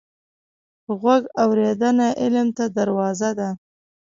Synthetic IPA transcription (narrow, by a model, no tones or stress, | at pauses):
ɣwaɡawɾed̪anaʔɪlmt̪ad̪aɾwɑzad̪a